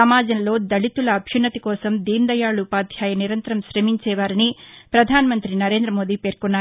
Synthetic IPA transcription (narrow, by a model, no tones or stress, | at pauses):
ɐmaːd͡ʒɐnlo̞ːd̪ɐɽit̪ulɐːbʱjunːɐt̪ikɔːsɐmd̪iːnd̪ɐjaːɭupaːd̪ʱjaːjɐniɾɐnt̪ɐɾɐmʃɾemiɲt͡ʃɛːʋaːɾinipɾɐd̪ʱaːnɐmɐnt̪ɾinɐɾe̞ːnd̪ɾɐmo̞ːd̪iːpe̞ːɾkunːaː